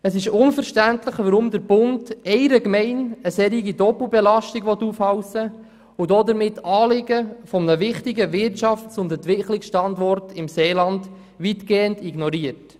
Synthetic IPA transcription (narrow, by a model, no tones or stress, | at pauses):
əsɪʃʊnfəɾʃtæntləχʋɑɾʊmd̪əɾb̥ʊndɛɪɾəɡmɛɪnəsɛɾiɡidɔpl̩bɛlɑʃtiɡʋɔtːuːfhɑwsə | ʊdɔdəɾmɪtːɑːlɪɡəfɔmənəʋɪχtɪɡəʋɪrtt͡ʃɑft͡sʊndɛntʋɪkχlɪksʃtɑndɔrtɪmseːlɑnd | ʋitɡeːəndiɡnɔɾiːərt